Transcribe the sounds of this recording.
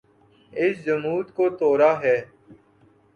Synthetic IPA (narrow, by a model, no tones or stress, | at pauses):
ɪsd͡ʒɐmuːt̪koːt̪oːɾaːɦɛː